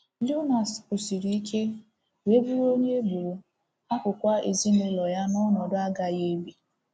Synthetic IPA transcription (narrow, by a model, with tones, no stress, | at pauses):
li˦na˨skʊ˨si˨ɾi˨i˦kʰe˦ | we˦bu˦ɾo˦ɲe˦bu˨ɾu˨ | a˦kʊ˨kʷa˦e˨zi˦ne˨lɔ˨ja˦nɔ˦nɔ˨dʊ˦a˦ɡa˨je˦bi˨